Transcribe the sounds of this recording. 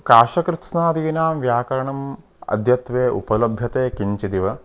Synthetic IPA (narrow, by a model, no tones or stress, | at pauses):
kaːʃɐkɾɨsnaːd̪iːnaːmʋjaːkɐɾɐɳɐm | ɐ̰d̪ʱjɐt̪ʋeːʔṵpɐlɐbʱjɐt̪eːkiɲt͡ʃid̪iʋɐ